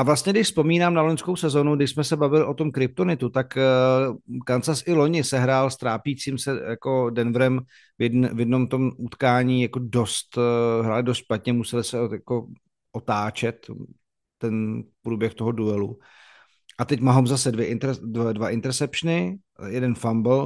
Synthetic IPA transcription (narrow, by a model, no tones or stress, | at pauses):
ʔavlast̪ɲɛɡdɪʃspo̞miːnaːmnaloɲsko̞wsɛzo̞nuɡdɪʃsmɛsɛbavɪlɪʔo̞t̪o̞mkɾɪp̚t̪onɪt̪ut̪ak | kant͡sasʔɪlo̞ɲɪsɛɦɾaːlst̪ɾaːpiːt͡siːmsɛjako̞dɛnvɾɛm | vjɛdnɛvjɛdno̞mt̪o̞mʔut̪kaːɲiːjako̞do̞st̪ɦɾaːlɪdost̪ʃpat̪ɲɛmusɛlɪsɛjako̞ | ʔot̪aːt͡ʃɛt̪ː | ɛnpɾuːbjɛxt̪o̞ɦoduɛlu | ʔat̪ɛcmaɦomzasɛdvjɛʔɪnt̪ɛdvadvaʔɪnt̪ɛɾsɛpʃnɪ | jɛdɛnfambl̩